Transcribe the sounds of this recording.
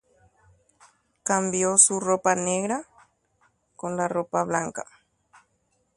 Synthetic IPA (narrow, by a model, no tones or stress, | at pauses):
kambjosuropaneɣɾa | konlaropaβlaŋka̰